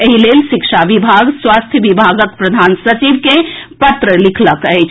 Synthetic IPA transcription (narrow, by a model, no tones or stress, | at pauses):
eɦilelʃikʃaʋibʱaɡswast̪ʰjəʋibʱaɡək̚pɾəd̪ʱansət͡ʃiʋkepət̪ɾəlikʰləkəjt͡ʃʰ